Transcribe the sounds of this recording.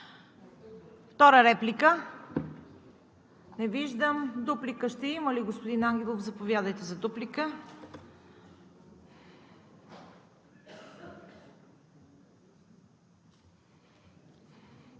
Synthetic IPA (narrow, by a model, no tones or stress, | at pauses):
ft̪ɔɾəɾɛplikə | nɛviʒd̪əmd̪uplikəʃt̪ɛiməliɡospod̪inaŋɡʲɛlˠofzɐpovjad̪əjt̪ɛzɐd̪uplikə